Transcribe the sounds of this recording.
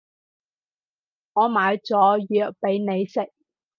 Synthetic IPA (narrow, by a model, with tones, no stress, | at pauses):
ŋɔː˨˧maː˨˧jt͡sɔː˨˥jyː˨˧k̚pe˨˥jne˨˧jsɪ˨k̚